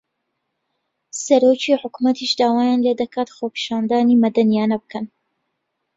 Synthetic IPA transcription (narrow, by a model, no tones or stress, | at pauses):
sɐɾoːt͡ʃiħʊkumɐt̪ʰiʃd̪aːwaːjaːnled̪ɐkʰaːt̪xoːpi̥ʃaːnd̪aːnimɐd̪ɐnjaːnɐbɨkʰɐn